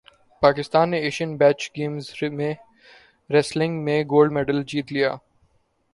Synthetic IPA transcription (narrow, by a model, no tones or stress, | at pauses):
paːkɪst̪aːnːeeːʃiənbɛːt͡ʃɡeːmzmẽ | ɾɛslɪ̃ŋɡmẽɡoːlɖmɛːɖəld͡ʒiːt̪lijaː